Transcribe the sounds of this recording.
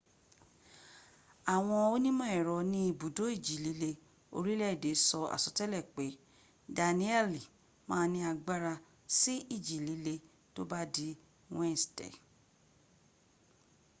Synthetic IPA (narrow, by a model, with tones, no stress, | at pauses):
a˨w̃ɔ̃˧o˦nĩ˦mɔ̃˦ɛ˨ɾɔ˨˦nĩ˦i˧bu˨do˨˦i˦˨d͡ʒi˨li˨˦le˧ | o̰˧ɾi˦lɛ˦˨de˨˦sɔ˧a̰˨sɔ˧tɛ˦lɛ˦˨k͡pe˨˦ | da˨nĩ˦ɛ˦˨li˨ | mãː˦nĩ˧a˧ɡ͡ba˦ɾa˧ | si˦i˦˨d͡ʒi˨li˨˦le˧ | to˦ba˦di˧ | wɛ̃˦n˨stɛ̰˨